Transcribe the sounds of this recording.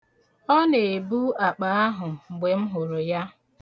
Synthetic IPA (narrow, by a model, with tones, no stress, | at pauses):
ɔ˦ne˨bu˦a˨k͡pa˨˦a˦ɦʊ˨ŋ͡m̩˨ɡ͡be˨m̩˦ɦʊ˨ɾʊ˨ja˦